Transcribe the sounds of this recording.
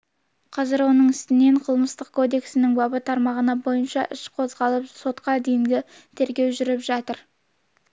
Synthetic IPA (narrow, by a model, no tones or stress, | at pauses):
qʰɑzɪɾwo̞nəɴɪst̪ɪne̞ɴqʰəlˠməst̪əq̚kʰo̞d̪e̞ksɪnɪŋbɑbət̪ʰɑɾmɑʁənɑbo̞jənʃɑʔɪʃqʰo̞zʁɑlˠəpso̞t̪qɑd̪ejɪŋɡ̪ʲɪ | t̪ʰe̞ɾɡʲe̞wʒʏɾɪpʒɑt̪əɾ